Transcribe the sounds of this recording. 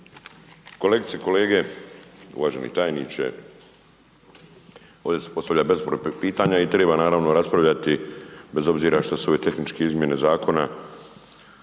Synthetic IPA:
ko̞leɡit̪seko̞le̞ːɡe̞ | ṵʋaːʒenḭt̪aːjnit͡ɕḛ | o̞ːd̪ʲese̞̥po̞st̪aʋlʎabe̞zpɾopiːt̪aɲait̪ɾe̞ːbanaːɾaʋnoɾaspɾaʋʎat̪ibe̞zo̞bziːɾaʃt̪asuo̞ʋe̞t̪e̞xnit͡ʃkeizmjene̞zaːko̞na

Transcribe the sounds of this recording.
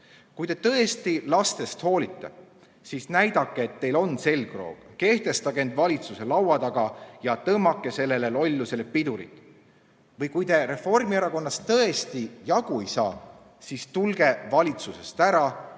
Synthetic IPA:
kujt̪e̞t̪ɤ̞e̞st̪ilɑst̪e̞st̪ho̞ːlit̪ːe̞̰ | siːsnæjd̪ɑkːeːt̪ːe̞jlo̞nse̞lɡ̥ro̞̰ːɡ̥ke̞ht̪e̞st̪ɑɡee̞nd̪vɑlʲit̪suse̞lɑwwɑt̪ɑɡ̥ɑjɑt̪ɤmːɑkːˑe̞se̞lːe̞lelo̞lʲːuse̞lepid̪uɾḭt̪ˑ | vɤjkujt̪e̞ɾe̞fo̞rmieɾɑko̞nːɑst̪ɤe̞st̪ijɑɡ̥uejsɑ̰ː | siːst̪ulɡe̞vɑlʲit̪suse̞st̪æɾɑ

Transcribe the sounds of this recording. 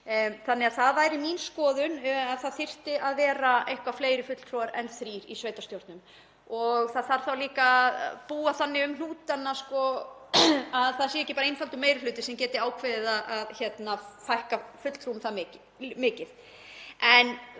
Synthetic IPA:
θanːɪɣaðθaðvajɾɪmiːnskɔːðʏnaðθaðθɪr̥t̪ɪʔaðvɛːɾaʔejhŋkvafleːjɾɪfʏt̪l̥t̪ʰɾɔaɾɛnθɾiːɾḭsveːjt̪ast̪jowɾt̪nʏm | ɔɣθaðθaɾ̥θawliːkaðpuːaθanːɪʏmn̥uːt̪anaskɔ | aðθaðsjɛɛcɪpaːɾaejnfalt̪ʏmejɾɪflʏːt̪ɪsɛmcɛːt̪ɪaːwkʰveːðɪðaðaðçɛt̪nafajhkafʏt̪l̥t̪ɾumθamɪːc | mɪːcɪθ | ɛn

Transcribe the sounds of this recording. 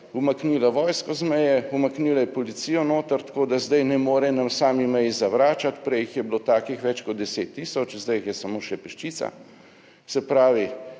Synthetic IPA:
umakniːlaʋɔːjskɔzmɛjɛumakniːlajɛpɔlit̪siːjɔnoːt̪əɾt̪koːd̪azd̪ajnɛmoːɾɛnamsaːmimɛjizaʋɾaːt͡ʃat̪pɾɛjxjɛblot̪aːkixʋɛt͡ʃkɔt̪̚d̪ɛseːt̪ːiːsɔt͡ʃzd̪ajxjɛsamoːʃɛpɛʃt͡ʃit̪sa̰ | sɛpɾaːʋi

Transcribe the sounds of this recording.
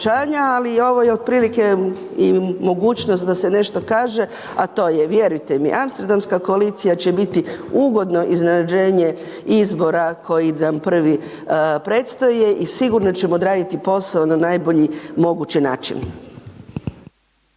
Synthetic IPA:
aːɲaalio̞ʋo̞jeod̪̚pɾilike̞ | imo̞ɡuːt͡ɕnost̪d̪ase̞ne̞ʃt̪o̞kaːʒe̞ | at̪o̞ːjeʋje̞ɾujt̪e̞mḭʔamst̪eɾd̪amskako̞alit̪sijat͡ɕebit̪iuɡo̞d̪no̞ʔiznenad͡ʑe̞ːɲe | izbo̞ɾakʰo̞jinampr̩ʋi | pɾe̞t̪st̪oje̞ʔisiɡuɾnot͡ɕe̞mo̞d̪ɾaːd̪it̪ipo̞saonanajbo̞ʎimo̞ɡut͡ɕina̰ːt͡ʃḭn

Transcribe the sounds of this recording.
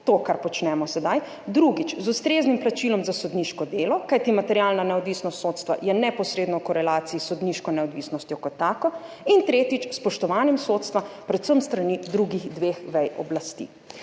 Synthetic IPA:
t̪oːkaɾpɔt͡ʃnɛmɔsɛd̪aj | d̪ɾuɡit͡ʃzust̪ɾeznimplat͡ʃilɔmzasɔd̪niʃkɔd̪eːlɔkajt̪imat̪ɛɾjalnanɛɔd̪ʋisnɔst̪sot̪st̪ʋa̰jɛnɛpɔsɾeːd̪nɔwkɔɾɛlaːt̪siisɔd̪niʃkɔnɛɔd̪ʋiːsnɔst̪jɔkɔt̪ːaːkɔ | int̪ɾeːt̪it͡ʃspɔʃt̪ɔʋaːnɛmsot̪st̪ʋapɾɛt̪səmst̪ɾanid̪ɾuɡixd̪ʋexʋɛjɔ̰blast̪ḭː

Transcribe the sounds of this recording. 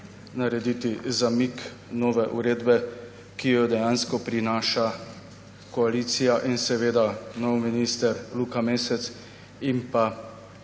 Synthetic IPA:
naɾɛd̪iːt̪izamik | nɔːʋɛʔuɾeːd̪bɛ | kijɔd̪ɛjanskɔpɾinaːʃa | kɔaliːt̪sijaʔinsɛʋeːd̪anɔwminiːst̪ɛɾlukameːsɛt̪s | impa

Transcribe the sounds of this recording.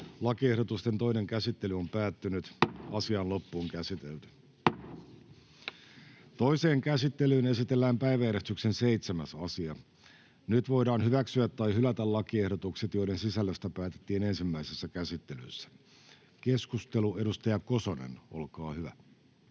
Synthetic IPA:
lɑkiehdot̪ust̪e̞nt̪o̞ine̞ŋkæsit̪ːe̞lyo̞mpæːt̪ːynyt̪ɑsiɑnlo̞pːuːŋkæsit̪ḛlt̪y̥ | t̪o̞ise̞ːŋkæsit̪ːe̞lyːne̞sit̪e̞lːæːmpæiʋæeɾest̪yksenseijt̪semæsɑsiɑ | nyt̪ʋo̞jdɑːnhyʋæksyæt̪ːɑjɦylæt̪ælɑkie̞hdot̪ukset̪jo̞ide̞nsisælːøst̪æpæːt̪et̪ːiːne̞nsimːæisesːækæsit̪ːe̞ly̰sːæ̥ | ke̞skust̪e̞lue̞ɾust̪ɑjɑko̞sonḛno̞̰lkɑːhyʋæ̰

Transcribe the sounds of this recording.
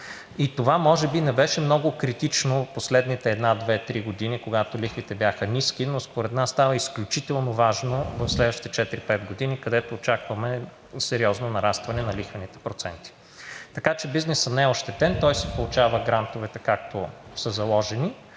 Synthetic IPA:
it̪ovamɔʒɛbinɛbɛʃɛmnɔɡʊkɾit̪it͡ʃnoposlɛd̪nit̪ɛːd̪nad̪vɛt̪ɾiɡod̪inikoɡat̪olixvit̪ɛbjaxəniskinospoɾɛt̪nasːt̪avəisklʲʊt͡ʃit̪ɛlˠnovaʒnovɐfslɛd̪vəʃt̪it̪ɛt͡ʃɛt̪iɾipɛt̪̚ɡod̪inikɐd̪ɛt̪oːt͡ʃakvɐmɛ | sɛɾiɔznonɐɾast̪vɐnɛnɐlixvɐnit̪ɛ̥pɾot̪sɛnt̪i̥ | t̪ɐkat͡ʃɛbiznɛsənɛɛoʃt̪ɛt̪ɛnt̪ɔjsɛ̥polˠʊt͡ʃavəɡɾant̪ovɛt̪ɛkak̚t̪osəzɐlˠɔʒɛni

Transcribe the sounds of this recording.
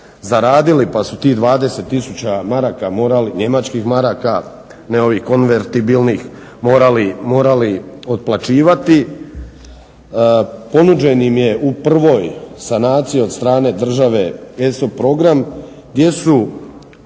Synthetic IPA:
zaɾaːd̪ilipasut̪iːɣd̪ʋaːd̪e̞se̞t̪ːisut͡ɕamaɾaːkamo̞ːɾaliɲe̞mat͡ʃkixmaɾaːka | neo̞ʋixko̞nʋeɾt̪ibilnix | mo̞ːɾalimo̞ːɾalio̞d̪̚plˠat͡ʃiːʋat̪i | po̞nud͡ʒe̞nimje̞ʔupr̩ʋo̞ːjsanaːt̪sio̞d̪st̪ɾaːne̞d̪r̩ʒaʋe̞esopɾo̞ɡɾam | ɡd̪je̞su

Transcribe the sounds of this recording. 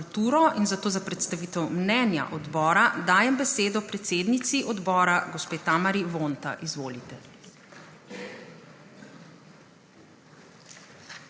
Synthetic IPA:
lt̪uːɾɔʔinzat̪oːzapɾɛt̪st̪aʋiːt̪ɛwmnɛnja̰ʔɔd̪bɔːɾad̪aːjɛmbɛseːd̪ɔpɾɛt̪seːd̪nit̪siʔɔd̪bɔːɾaɡɔspeːt̪aːmaɾiʋont̪a̰ʔizʋoːlit̪ɛ

